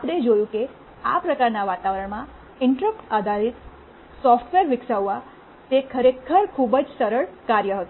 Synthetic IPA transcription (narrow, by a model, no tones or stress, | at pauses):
apɽ̃ed͡ʒojũke | apɾəkaɾnaʋat̪aʋəɾəɳmã | ɪɳʈɾək̚ʈad̪alit̪ | sɔfʈʰʋeɾʋɪksaʋːa | t̪ekʰəɾekʰəɾkʰubəd͡ʒsəɾəɭkaɾjəɦət̪o